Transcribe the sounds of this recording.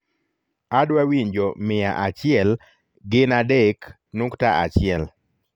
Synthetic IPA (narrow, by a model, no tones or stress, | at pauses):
adwawiɲd͡ʒomɪa̰ʔat͡ʃɪɛl | ɡɪnadek | nuktaʔat͡ʃɪɛl